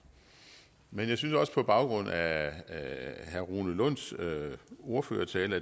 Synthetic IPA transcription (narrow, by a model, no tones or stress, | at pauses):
menjɑɪsynsɒ̽sə̥pʰɒ̽b̥ɑ̈ʊɡ̥ʁɔ̽n̰æ | hæɐʁuːnəlɔn̰s | o̝ɐfø̰ːɐt͡sʰɛːlæ